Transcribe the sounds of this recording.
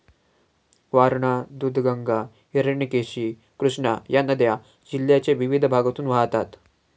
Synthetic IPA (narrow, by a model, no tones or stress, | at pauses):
ʋaɾɳad̪ud̪ʱɡəŋɡa | əɾəɳikeɕi | kɾuʂɳajanəd̪ja | d͡ʑiljat͡ɕeʋiʋid̪ʱəbʱaɡət̪uːnʋaɦt̪at̪